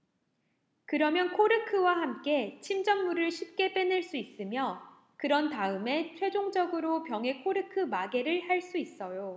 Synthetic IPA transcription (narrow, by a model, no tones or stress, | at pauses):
kɯɾʌmjʌnkʰoɾɯkʰɯwahamk͈e̞t͡ɕʰimd͡ʑʌŋmuɾɯɭɕʰip̚k͈e̞p͈enɯɭs͈uis͈ɯmjʌ | kɯɾʌntaɯme̞t͡ɕʰwe̞d͡ʑoŋd͡ʑʌɡɯɾopjʌŋɦe̞kʰoɾɯkʰɯmaɡe̞ɾɯɭhaɭs͈uis͈ʌjo